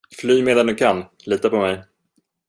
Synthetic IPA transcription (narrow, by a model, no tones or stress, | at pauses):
flyːmeːd̪and̪ɵkʰan | liːt̪apɔmɛj